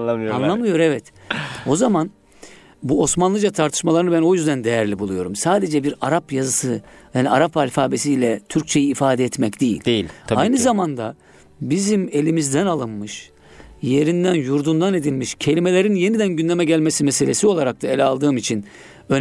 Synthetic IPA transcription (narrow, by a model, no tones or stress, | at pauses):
manlˠamɯjo̞ɾɛvɛt̪o̞zaman | buo̞smanlˠɯd͡ʒat̪ʰaɾt̪ʰɯ̥ʃmalˠaɾɯnɯbæno̞jyzd̪ænd̪e̞jæɾlʲibulˠujo̞ɾumsaːd̪e̞d͡ʒɛbiɾaɾapjazɯsɯhaniaɾapvaːlʲfaːbes̬iːlʲɛt̪ʰyɾc̚ʲt͡ʃʰe̞jiːfaːd̪ɛːt̪mɛcd̪̥ejḭlʲd̪ilʲajnɯzamand̪a | bizime̞lʲimizd̪ænalˠɯnmɯʃ | je̞ɾind̪ænjuɾd̪und̪ane̞d̪ilʲmiʃcʰe̞lʲime̞lʲe̞ɾinje̞nid̪ænɟynldʲe̞mɛɟælʲmesimese̞lʲe̞siolˠaɾak̚t̪ʰaelʲɛalˠd̪ɯːmit͡ʃʰin | øn